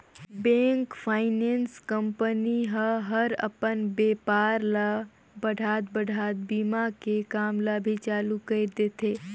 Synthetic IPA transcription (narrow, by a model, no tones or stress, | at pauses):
bẽːŋkpʰaːɪnẽːnskəmpəniɦəɦəɾə̰pənbeːpaːɾlə | bəɽ̤ʱaːt̪̚bəɽʱaːt̪̚biːmakekaːmləbʱit͡ʃaːlukəd̪eːt̪eː